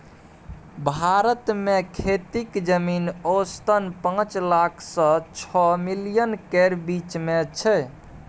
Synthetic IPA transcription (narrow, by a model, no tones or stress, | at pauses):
bʱaɾət̪mekʰet̪ikd͡ʒəminost̪ənpãt͡ʃlakʰsə̃t͡ʃʰɔmilijənkeɾbit͡ʃmet͡ʃʰɛ